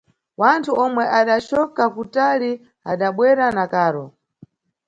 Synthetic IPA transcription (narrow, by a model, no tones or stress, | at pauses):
wantʰuɔmwɛʔaɗat͡ʃɔkakutali | aɗaɓwɛɾanakaːɾɔ